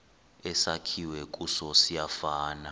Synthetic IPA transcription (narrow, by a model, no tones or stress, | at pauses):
ɛsakʰiwɛk̬ʼusɔsijafaːna